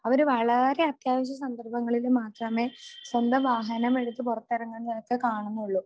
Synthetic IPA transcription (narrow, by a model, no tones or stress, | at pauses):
ɐʋɐɾuʋɐɭɐɾe̞ɐt̪jaːʋɐɕ̬jɐsɐnd̪ɐrbɐŋːɐɭilumaːt̪rɐme̞ːswɐnd̪ɐʋaːɦɐnɐme̞ɻut̪ːɨpurɐt̪ːɐɾɐŋːɐɳnenɐkːɨkaːɳunːuɭːu